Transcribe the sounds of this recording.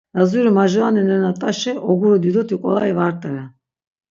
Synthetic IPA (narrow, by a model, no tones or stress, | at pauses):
d̪azuɾimaʒɔanɛnɛnat̪ʼaʃɛʔɔɡuɾɔd̪id̪ɔt̪ʰikʼɔ̰laivaɾt̪ʼɛɾɛ